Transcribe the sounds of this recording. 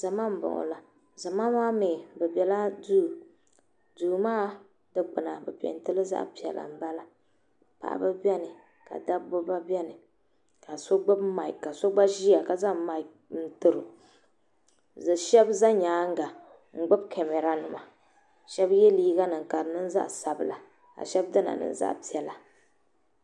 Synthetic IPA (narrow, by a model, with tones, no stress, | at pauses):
za˨ma˦m̩˨bɔ̰˨ŋɔ̰˨la˨ | za˨ma˦maː˦meː˨bɛ˨bɛ˨la˦du˦˨ | duː˨maː˦ | dɨ˦k͡pɨ˨na˨bɛ˨pɛ̰˨n˦tɨ˦lɨ˦za̰˦ʔpi˨ɛ̰˨lʔa̰˨m̩˨ba˦la˨ | pa̰˨ʔa̰˨bɨ˦bʲɛ˦nɨ˨ | ka̰˨da˦bʊ˦ba˦bʲɛ˦nɨ˨ | ka˨so˦ɡ͡bʊ˦bma˨i˨kːa˨so˦ɡ͡ba˦ʒi˦a˨ka˨za˦ma˨k̚ | n̩˦tɨ˨ɾɨ˨ | zɨ˨ʃɛ˦bza˦ɲaː˨˦ŋ̩˦ɡa˨ | ŋ͡m̩˦ɡ͡bʊ˦bkʰe˨me˨ɾa˨nɨ˨ma˨ | ʃɛ˦bjɛ˦liː˦ɡa˦nɨ˨ŋ˨ka˨ɾɨ˨nɨ˦n˦za̰˦ʔsa˨bɨ˨la˨ | ka̰˨ʃɛ˦bdɨ˦na̰˨nɨ̰˦n˦za̰˦ʔpi˨ɛ˨la˨